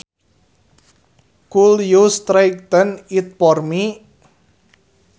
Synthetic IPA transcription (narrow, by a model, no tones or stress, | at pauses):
kuljust̪ɾajk̚t̪ənit̪̚pɔrmi